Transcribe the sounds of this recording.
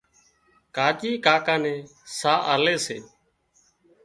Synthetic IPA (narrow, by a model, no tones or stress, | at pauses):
kaːt͡ʃiːkaːkaːnẽːsaːʔaːleːsḛː